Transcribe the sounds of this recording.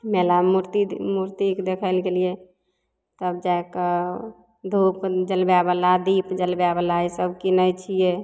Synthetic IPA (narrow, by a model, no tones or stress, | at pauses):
melamuɾt̪imuɾt̪ikd̪ekʰəlɡelije | t̪əbd͡ʒaek | d̪ʱupd͡ʒəlbjabəlad̪ipd͡ʒəlbjabəlaisəbkinəjt͡ʃʰije